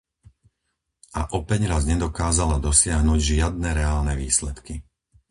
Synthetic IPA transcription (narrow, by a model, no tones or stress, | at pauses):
ʔa̰ʔɔpɛɲɾazɲɛd̪ɔkaːzalad̪ɔsɪaɦnuɟʒɪad̪̚nɛɾɛaːlnɛʋḭːslɛt̪ki